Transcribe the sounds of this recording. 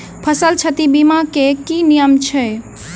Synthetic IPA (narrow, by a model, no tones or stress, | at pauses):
pʰəsəlt͡ʃʰət̪ibimakekinijəmt͡ʃʰɛ